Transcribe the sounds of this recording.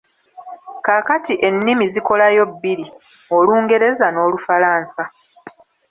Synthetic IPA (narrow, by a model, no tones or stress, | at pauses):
kaːkatiʔe̞nːimiziko̞lajo̞bːiɾi | oluːŋɡe̞ɾe̞zano̞ːlufalaːnsa